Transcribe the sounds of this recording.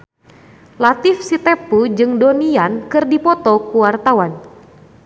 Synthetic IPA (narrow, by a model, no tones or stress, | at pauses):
lat̪ifsit̪ɛpud͡ʒɨŋdɔniankɨrdipɔt̪ɔkuwart̪awan